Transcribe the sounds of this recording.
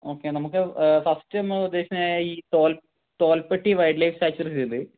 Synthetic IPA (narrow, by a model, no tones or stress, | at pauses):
o̞ːkːenɐmukːɨfɐstɐmud̪ːe̞ːkɐmaːjiːt̪oːl | t̪o̞ːlpeʈːiʋɐjɖlɐjfsaːt͡ɕːursund̪ɨ